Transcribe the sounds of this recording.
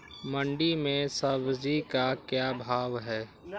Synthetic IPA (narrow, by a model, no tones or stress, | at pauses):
mə̃ɳɖimẽsəbd͡ʒikakjaːbʱaːʋɦɛː